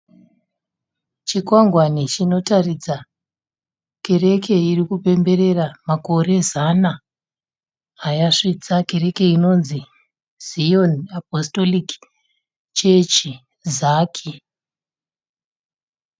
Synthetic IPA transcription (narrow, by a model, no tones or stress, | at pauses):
t͡ʃikwaŋɡwanit͡ʃino̞tarid͡za | ke̞ɾe̞kʰe̞irikupe̞mbe̞ɾe̞ramako̞re̞zana | jaʂit͡sake̞ɾe̞ke̞ino̞nzi | z̥ionap̚osto̞lik | t͡ʃet͡ʃi | zaːkʰi